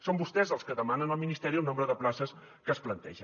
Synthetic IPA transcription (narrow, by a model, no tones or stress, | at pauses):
sombust̪ɛzəlˠskəðəmanənəlˠminist̪ɛɾiəlˠnombɾəðəplasəs | kəːsplənt̪ɛ̰ʒə